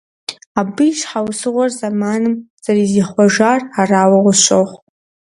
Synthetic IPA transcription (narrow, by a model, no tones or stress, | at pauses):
abɨjʃħawsɨʁʷarzamanɨmz̥ariziχʷaʒararaːwaʁʷʊʃʷoχʷ